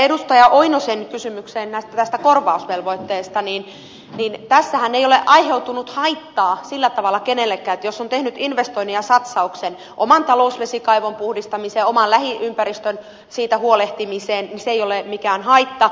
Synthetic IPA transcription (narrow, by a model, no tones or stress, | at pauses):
edust̪ɑjɑʔoinosenkysymykseːnnæst̪æt̪æst̪ækorʋɑusʋelʋoit̪ːeːst̪ɑniːn | niːnt̪æsːæhæneijoleʔɑiheut̪unut̪hɑit̪ːɑːsilːæt̪ɑʋɑlːˑɑkenelːekːˑæːet̪josːont̪ehnyt̪inʋest̪oiniɑsɑt̪sɑuksen | ʔo̰mɑnt̪ɑlousʋesikɑiʋompuhdist̪ɑmiseːomɑlæhiʔympæɾist̪øn | siːt̪æhuoleht̪imiseːnniseijolemikæːnhɑit̪ːɑ